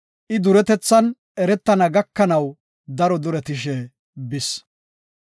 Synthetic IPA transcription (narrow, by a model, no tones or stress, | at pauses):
ʔɪd̪ʊɾɛt̪ɛt͡sːɐn | ʔɛɾɛt̪ːɐnɐɡɐkːɐnɐw | d̪ɐɾɔd̪ʊɾɛt̪ɪʃɛ | bɪs